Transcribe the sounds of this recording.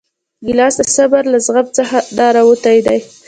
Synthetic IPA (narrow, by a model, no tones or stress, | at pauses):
ɡɪlɑsd̪asabaɾlazɣap̚t͡səxad̪ɑɾawət̪ajd̪aj